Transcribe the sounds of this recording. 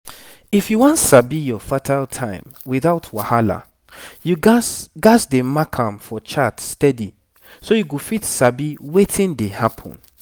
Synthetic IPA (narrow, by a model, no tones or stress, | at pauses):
ifjuwɔ̃ntsabijɔfatʰaltʰãɪ̃mwiðaʊtʰwahala̰ | juɡaɡasdemakʰãmfɔt͡ʃatstɛdi | sojuɡofitsabiwetĩndehapʰɔ̰̃n